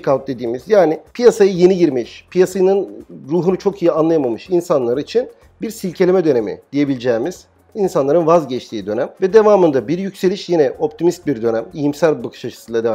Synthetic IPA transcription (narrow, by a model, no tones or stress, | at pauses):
kʰawt̪̚d̪e̞d̪iːmizjaːnipʰijasajɯje̞niɟiɾmiʃpʰijasajɯnɯnɾuːɦunut͡ʃʰo̞kʰijianlˠajamamɯʃinsanlˠaɾit͡ʃʰin | biɾsilʲcʰe̞lʲe̞mɛd̪ø̞ne̞mḭd̪̥ije̞bilʲid͡ʒɛːmiz̥ | insanlˠaɾɯnvazɟɛt͡ʃt̪ʰiːd̪ø̞næmvɛd̪e̞vaːmɯnd̪abiɾjycse̞lʲiʃjinɛo̞p̚t̪ʰimist̪̚biɾd̪ø̞næmijimsælʲbakʰɯ̥ʃat͡ʃʰɯ̥sɯnlˠad̪e